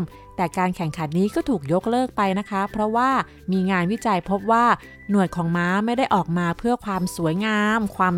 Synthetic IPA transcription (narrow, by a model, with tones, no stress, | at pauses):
m | t̪ɛː˨˩kaː˧nkʰɛ˨˩˦ŋkʰa˨˦nːiː˦˥kɔː˥˩t̪ʰuː˨˩k̚jo˦˥k̚lɤː˥˩k̚pa˧jna˦˥kʰa˦˥pʰɾɔ˦˥waː˥˩ | miː˧ŋaː˧nwi˦˥t͡ɕa˧jpʰo˦˥p̚waː˥˩ | nu˨˩ət̪̚kʰɔː˩˦ŋmaː˦˥ma˥˩jda˥˩jʔɔː˨˩k̚maː˧pʰɯ˥˩ɐkʰwaː˧msu˩˦əjŋaː˧mkʰwaː˧m